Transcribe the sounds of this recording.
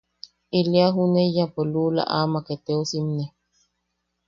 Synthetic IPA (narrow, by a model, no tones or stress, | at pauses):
iliaɦunejapoluːla̰ʔamaket̪eosimne